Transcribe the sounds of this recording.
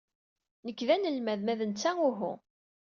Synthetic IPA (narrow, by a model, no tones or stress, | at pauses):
nəkːðænəlmæðmæðənt͡sːæʊɦʊ̰